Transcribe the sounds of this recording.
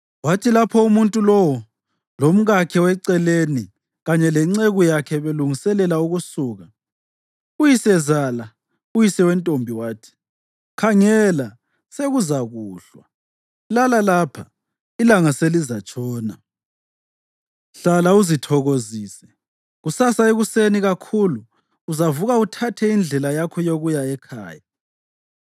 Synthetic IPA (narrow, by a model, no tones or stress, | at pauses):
watʰilapʰɔumuntʼulɔwɔ | lom̩ɣakʰɛwɛǀɛleni | ɣaɲɛlɛŋ͡ǀeɣujakʰɛβeluŋisɛlɛlauɣusuːɣa | ujisɛzala | ujisɛwɛntʼombʱiwaːtʰi̥ | kʰaŋɛla | seɣuzaɣuːɬwa̰ | lalalapʰa | ilaŋaselizat͡ʃʼɔːna | ɬalauzitʰɔɣoziːsɛ | ɣusasaeɣuseniɣakʰuluː | zavuɣautʰatʰɛind͡ɮʱɛlajakʰɔjoɣujaɛkʰa̰ːja